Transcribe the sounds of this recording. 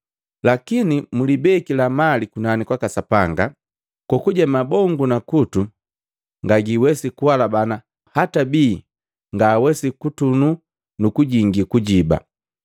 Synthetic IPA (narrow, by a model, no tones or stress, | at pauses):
lakinimulibɛkilamalikunanikwakasapaŋɡa | kukuɟamabɔŋɡunakutu | ŋɡaɡiwɛsikuwalabana | hatabiː | ŋɡaːwɛsikutunu | nukuɟiŋɡikuɟiba̰